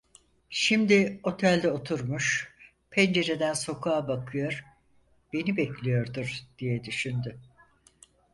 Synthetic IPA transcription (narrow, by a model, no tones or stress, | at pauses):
ʃimd̪ɪo̞t̪ʰælʲd̪ɛot̪ʰuɾmuʃ | pʰɛnd͡ʒe̞ɾed̪ænso̞kʰaːbakʰɯjo̞ɾ̥ | b̥e̞nibɛclʲijo̞ɾd̪uɾd̪̥ijɛd̪yʃynd̪y